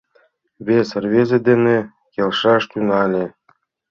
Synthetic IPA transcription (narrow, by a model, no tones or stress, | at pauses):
βʲeserβʲezĕd̪enĕ | kʲelʃɑʃt̪unɑlʲĕ